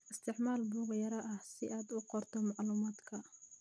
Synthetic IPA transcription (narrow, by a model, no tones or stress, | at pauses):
ʔɪst̪ʰɪʕmaːlbuːɣɐjɐɾɐʔɐhsɪʔaːd̪ʊqɔrt̪ʰɔmɑʕluːmaːd̪kʰɐ